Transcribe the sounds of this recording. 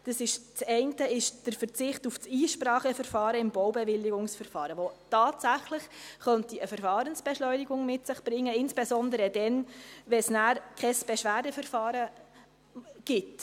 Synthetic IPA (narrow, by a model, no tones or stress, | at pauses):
d̥ɑsɪʃt͡sɛɪntəɪʃd̥əɾfəɾt͡sɪχtufsiːʃpɾɑːχəfəɾfɑːɾəɪmbɔwbɛvɪlːiɡʊŋsfəɾfɑːɾəʋotɑːtsæχlɪχχœntiəfəɾfɑːɾənsb̥ɛʃlɔʏniɡʊŋmɪtsɪχb̥ɾɪŋːəɪnsb̥esɔndəɾədɛnʋɛsnæːɾkʰɛsb̥ɛʃʋæːdəfəɾfɑːɾə | ɡ̥ɪt